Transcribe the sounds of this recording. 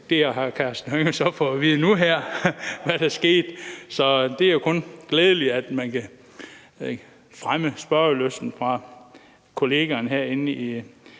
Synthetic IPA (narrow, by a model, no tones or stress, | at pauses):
d̥eɦɑkʰæɐsd̥n̩høŋəsɒ̽fɒʋiːð̞ˠənuɦæɐ̰ʋæɾ̥æɐsɡ̥e̝̰ːd̥sɒ̽d̥eæɐjokʰɔ̽nɡ̥leːð̞ˠəliæd̥mænkʰæ | fʁaməsb̥ɶɐløsd̥n̩fʁɑ̈ | kʰo̝le̝ːɡ̥ænɦeɐ̰e̝ni